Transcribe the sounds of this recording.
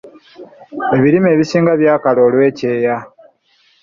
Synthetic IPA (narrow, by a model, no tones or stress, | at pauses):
e̞βiɾimeːβisiːŋɡaβjaːkalo̞ːlwe̞ːce̞ːja